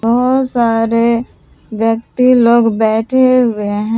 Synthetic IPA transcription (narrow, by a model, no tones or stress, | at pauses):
bɔɦʊt̪saːɾe | ʋjək̚t̪iloːɡbɛːʈʰeɦʊeɦɛ̃